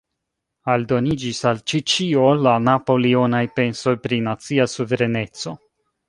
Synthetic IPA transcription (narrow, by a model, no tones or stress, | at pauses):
aldo̞nid͡ʒisalt͡ʃit͡ʃio̞lanapo̞lio̞najpe̞nso̞jpɾinat͡siasuve̞ɾe̞ne̞t͡so̞